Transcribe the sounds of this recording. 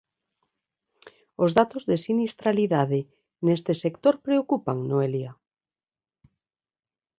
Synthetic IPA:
ozðat̪ozðesinist̪ɾaliðaðe | nest̪esekt̪oɾpɾeokupaŋnoelja

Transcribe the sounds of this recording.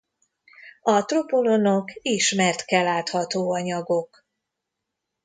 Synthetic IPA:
ɒt̪ropo̞lonokiʃmɛrt̪kɛlːaːt̪hɒt̪oːɒɲɒɡo̞k

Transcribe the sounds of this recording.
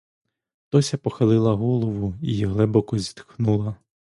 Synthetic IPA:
t̪ɔsʲɐpɔxɐlˠɪlˠɐɦɔlˠɔʋʊijɦlˠɛbɔkɔzʲit̪xnulˠɐ

